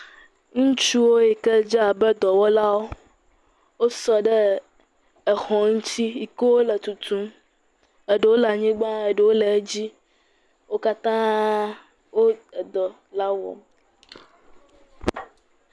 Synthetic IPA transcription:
ŋũ˦t͡ʃu˦wo˦ji˨kɛ˦d͡ʒa˦a˨bɛ˦d̪ɔ˨wɔ˦la˦wo˦ | wo˦sɔ˨ɖɛ˦ | ɛ˨xɔ̃˨ŋ̩˦ti˦i˨ko˦wo˦lɛ˨t̪u˨t̪ũ˦m | ɛ˨ɖə˨wo˦lɛ˨a˨ɲĩ˦ɡ͡bã˦e˨ɖɛ˨wo˦lɛ˨˦d͡ʑi˦ | wo˦ka˦t̪ã˦ | wo˦˨d̪ɔ˨ | la˦wɔ̰˨m

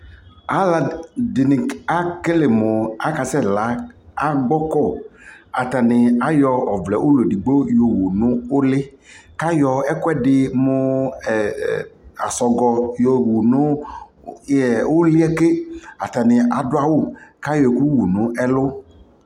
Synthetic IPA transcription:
a˨˦la˨dɪ˨nɪ˨a˦kɪ˦lɪ˨mʊ˨a˦ka˨sɛ˦la˨˦a˦ɡ͡bɔ˦kɔ˦˨a˨ta˨nɪ˨a˦jɔ˧ɔ˨vlɛ̰˨ʔʊ˦lo˨di˨ɡ͡bo˦jo˨wu˨nʊ̃˦ʊ˦lɪ˦ | ka˦jɔ˧ɛ˦kʊ˦ɛ˦dɪ˨mʊ˦˨ | a˨sɔ˨ɡɔ˨jo˨wu˨nʊ̃˦ | jɛ˨wʊ˦lɪ˦ɛ˦ke˦a˨ta˨nɪ˨a˨dʊ˦a˦wʊ˦˨ka˦jɔ˨ɛ˨ku˦wu˨nʊ̃˨˦ɛ˦lʊ˦

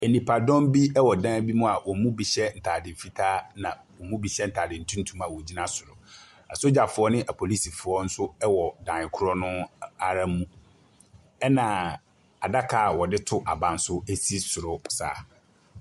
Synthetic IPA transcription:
ɛ˨nĩ˨pʰa˨dɔ̃˦mbi˦ɛ˦wɔ˨dã˦bi˦mũ˦a˨wɔ˨mũ˦bi˨ɕɛ˦n̩˨tʰaː˨dɪ̃˨m̩˨fi˦tʰaː˦nã˨ | wɔ˨mũ˦bi˨ɕɛ˦n̩˨tʰaː˨dɪ̃˨n̩˨tʰũ˦n̩˦tʰũ˦m˦a˨wɔ˨d͡ʑi˦nã˦sʊ˨ɾʊ˨ | a̰˨so˦d͡ʑa˨fʊ˨˦ɔ˦nɪ̃˦ʔa˨pʰo˨li˦si˨fʊ˨ɔ˦n̩˦sʊ˦ɛ˦wɔ˨dã˨ɪ˨kʰʊ˦ɾɔ˦nʊ̃˦a˨ɾã˦m˦mũ˦ | ɛ˦nã˨ | a˨da˦kʰaː˨wɔ˨dɪ˦tʰʊ˦ʔa˨bã˨n̩˨˦sʊ˦e˦si˦sʊ˨ɾʊ˨sa̰ː˨

